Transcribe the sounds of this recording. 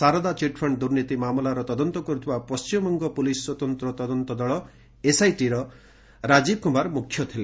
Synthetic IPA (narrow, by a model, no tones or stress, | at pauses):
saɾɔd̪at͡ʃiʈpʰɔɳɖd̪uɾnit̪imamɔlaɾɔt̪ɔd̪ɔnt̪ɔkɔɾut̪ʰibapɔst͡ʃimmɔŋɡɔpuliswɔt̪ɔnt̪ɾɔt̪ɔd̪ɔnt̪ɔd̪ɔɭɔ | esajʈiɾɔ | ɾad͡ʒib̚kumaɾmukʰːjɔt̪ʰile